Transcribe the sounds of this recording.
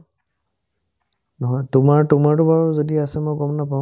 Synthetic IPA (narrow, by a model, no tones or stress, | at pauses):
nɔɦɔjtʊmaɹtʊmaɹtʊbaɹɔzodiasɛmɔjɡɔmnapã